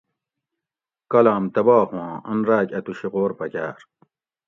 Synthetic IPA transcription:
kɐlaːmt̪ɐbaːhwɑ̃ːɐnɾaːkɐt̪uɕiqoːɾpɐkʲa̰ːɾ

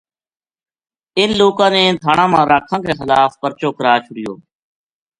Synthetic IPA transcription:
ɪnloːkãːneːt̪ʰaːɳãːmãːɾaːkʰãːkeːxɪlaːfpəɾt͡ʃoːkəɾaːt͡ʃʰʊɽɪjo̰ː

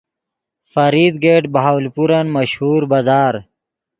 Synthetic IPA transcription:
fəɾiːd̪ɡeːʈbaɦawlpuɾənməɕhuːɾbazaːɾ

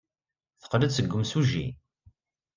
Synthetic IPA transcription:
θə̥qlədsəɡʷːəmsuʒːḭ

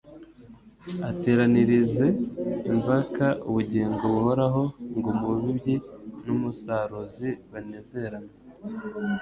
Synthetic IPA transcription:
ate̞ːɾaniɾize̞imvakaʔuβuɟiːŋɡoβuho̞ɾaɦo̞ŋɡomuβibɟinumusaːɾoziβane̞ːze̞ɾana

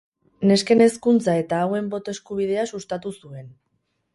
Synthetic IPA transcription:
ne̞ske̞ne̞skunt͡sae̞t̪aːwe̞mbo̞t̪oe̞skuβ̞ið̞e̞asust̪at̪usue̞n

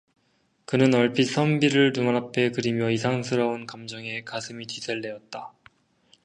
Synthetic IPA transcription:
kɯnɯnʌɭpʰisʰʌmbiɾɯɭnumanapʰe̞kɯɾimjʌisʰaŋsʰɯɾʌunkamd͡ʑʌŋe̞kasʰɯmit͡ɕisʰeɭːe̞ʌt̚t͈a

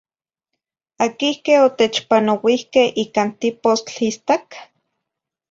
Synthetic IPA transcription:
akihkehot̪et͡ʃpanowihkehʔiːkaːnt̪ipost͡ɬist̪ak

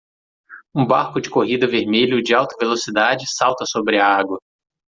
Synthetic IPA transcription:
ũbaɾkʊd͡ʒɪkoɦid̪ɐveɾmeʎʊd͡ʒɪawt̪ɐvelosid̪ad͡ʒɪsawt̪ɐsobɾɪɐaɡwɐ

